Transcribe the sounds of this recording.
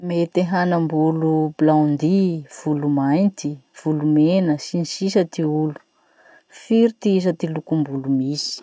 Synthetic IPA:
met̪eɦanəmbulublawnd̪iv̥ulumajnt̪iv̥ulumenəsinisisət̪iulu̥ | fiɾit̪iis̬ət̪ilukumbulumisi̥

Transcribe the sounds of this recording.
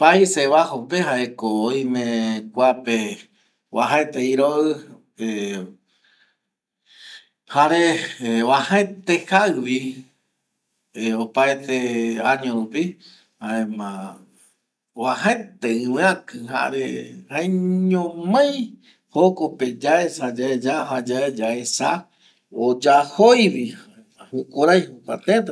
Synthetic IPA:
pajseβahopehaekooj̃mẽkʷape | wa̰ɦaet̪eiɾoʔɨ | e | haɾeβahaẽt̪ehaɨβi | eopaet̪eaɲõɾupi | haẽmã | wahet̪eɨ̃wẽakɨɦa̰ɾehajɲõmãj̃ | hokoped͡ʒaesad͡ʒaed͡ʒaɦad͡ʒaed͡ʒaesa | od͡ʒahojβi | hukʼoɾajhukʷa̰t̪et̪̬

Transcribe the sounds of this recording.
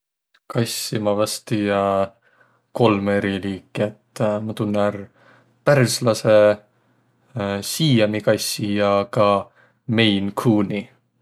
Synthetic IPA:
kɑjsːimɑvɑst̪ijɑ | ko̞lmeɾiliːkːˑiet̪ːˑmɑt̪unːær | pærslɑse | siːɑmikɑjsːijɑkɑ | me̞jnkʰuːni

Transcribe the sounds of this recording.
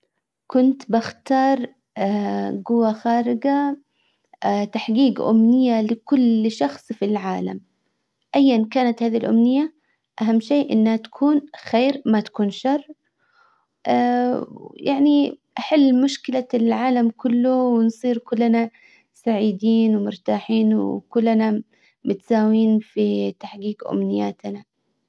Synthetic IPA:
kʊnt̪baxt̪ɑːɾˤ | ɡʊwːaxaːɾɪɡa | t̪aħɡiːɡʔʊ̰mnɪjːalɪkʊlʃɑxsˤfilʕaːlam | ʔajːankaːnat̪haːðilʔʊ̰mnɪjːa | ʔaɦamːʃeːʔɪ̰nːhat̪ḁkʰuːnxeːɾmat̪ḁkuːnʃɑrˤː | ʔa | jaʕniʔaħɪlːmʊʃkɪlalʕaːlamkʊlːʊwɪnsˤiːɾkʊlːna | saʕiːd̪iːnwɪmʊɾt̪aːħiːnwkʊlːna | mɪt̪saːwiːnfit̪aħɡiːɡʔʊ̰mnɪjːaːt̪na

